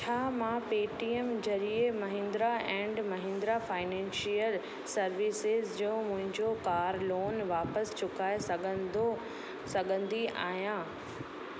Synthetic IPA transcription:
t͡ɕʰaːmãːpeːʈiemd͡ʑɐɾiemɐɦɪ̃nd̪ɾaɛ̃ːɳɖmɐɦɪ̃nd̪ɾafaːɪnɛ̃ːnʃiəl | sɐɾʋisɪzd͡ʑõːmʊ̃ɦɪ̃ɲd͡ʑokaːɾloːnʋaːpəst͡ɕʊkaːesɐɡʱəo | sɐɠʱə̃nd̪ia̰ːɦijãː

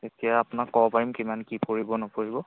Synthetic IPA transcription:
etijaapʊnakːɔbɔpaɹimkimankipoɹibɔnɔpoɹibɔ

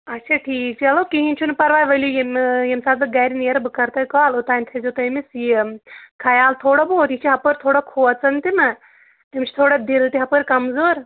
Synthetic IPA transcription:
ɐtːt͡ʃʰaʈʰiːk̚t͡ʃʰiɐloːkiɦinʲt͡ʃʰunpɐɾʋaːjʋɐljujemjemsaːd̪ɨɡɐːɾineɾɐbɨkɐɾt̪ɐjkaːlot̪aːnʲt̪ʰɐzot̪ɐmisjikʰɐjaːlt̪ʰoːɽaboːɾjit͡ʃʰiɦɐpəɾʲt̪ʰoːɽɐkʰoːt͡sɐnt̪imɐ | ɐmʲt͡ʃʰi̥t̪ʰoːɽɐd̪ilt̪iɦɐpəɾʲkɐmzoːɾ

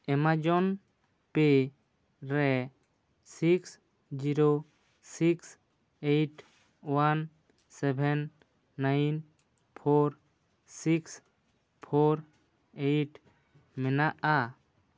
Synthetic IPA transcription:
ɛmad͡ʒɔn | pe | ɾɛ | siks | d͡ʒiɾo | siks | ejʈ | wan | sɛbʱɛnː | ajn | pʰoɾ | siks | pʰoɾ | ejʈ | mɛnaʔa

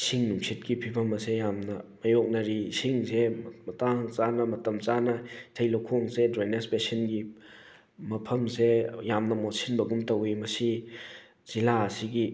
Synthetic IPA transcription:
siŋnuŋsʰit̚kipʰibʱɐmɐsejamnɐmɐjok̚nɐɾisiŋzemɐtaŋt͡ʃanɐmɐtɐmt͡ʃanɐtʰejlokʰoŋzedɾajnespesinɡi | mɐpʰɐmsejamnɐmotsʰinbɐɡumtɐwimɐsi | z̥ilaːsiɡi

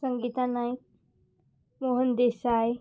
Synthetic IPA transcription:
səŋɡit̪anaj | moɦənd̪esae

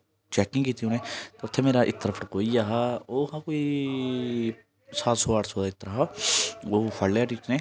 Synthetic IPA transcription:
t͡ʃɛːkɪ̃ŋɡkiːt̪iõneːt̪eʊt̪ʰːeːmeːɾaːʔɪt̪ːəɾəpʰəɽkoːiːaːɦaːoːhãːkoːiː | saːt̪soːaːʈsoːd̪aːɪt̪ːəɾaɦaːoːpʰəlːjaːʈiːt͡ʃnẽː

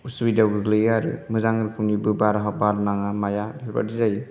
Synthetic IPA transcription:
uswidawɡɯɡlɯjaɾɯ̰mɯzaŋɾɯkʰɯmnibɯbaɾaɦɔbaɾnaŋamajabba̰dizajɯ

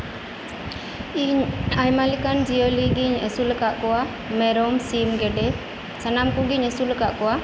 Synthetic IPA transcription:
iɲajmalikand͡ʒioliɡiɲɛsulɛkaʔkɔwa | mɛɾɔmsimɡɛɖɛ | sanamkuɡiɲɛsulɛkaʔkɔwa

